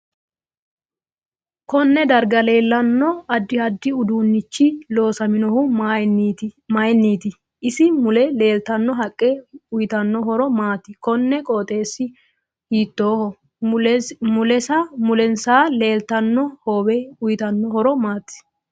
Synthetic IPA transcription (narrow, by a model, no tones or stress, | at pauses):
kɔnːɛd̪ɐɾɡɐle̞ːlːɐnːɔɐd̪ːɪɐd̪ːɪʊd̪uːnːɪt͡ʃːɪlo̞ːsɐmɪnɔhʊ | mɐjɛnːiːt̪ɪ | ʔɪsɪmʊlɛle̞ːlt̪ɐnːɔɦɐkʼːɛʊjɪt̪ɐnːɔɦɔɾɔmaːt̪ːɪkɔnːɛkʼoːt̪ʼe̞ːsːɪ | hiːt̪ːo̞ːhɔ | mʊlɛsɐmʊlɛnsaːle̞ːlt̪ɐnːɔhoːbɛʊjɪt̪ɐnːɔhɔɾɔmaːt̪ːɪ̥